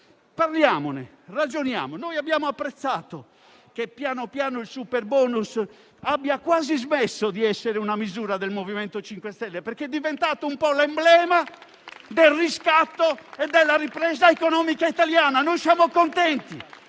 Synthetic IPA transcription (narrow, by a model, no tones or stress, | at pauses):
parljaːmone | rad͡ʒonja̰ːmonojabːjaːmoapːɾɛt̪sːaːt̪o | kepːjaːnopjaːnoilsupɛɾbɔːnus | abːjakwaːzizmɛsːod̪iɛsːeɾeunamizuːɾad̪ɛlmovimɛnt̪ot͡ʃiŋkwɛst̪ɛlːɛpɛɾkeɛd̪ːivɛnt̪aːt̪oumpɔlɛmblɛːma | d̪elriskat̪ːoɛd̪ːɛlːaripɾɛːzaɛkɔnɔːmikait̪aljaːnanojsjaːmokont̪ɛnt̪i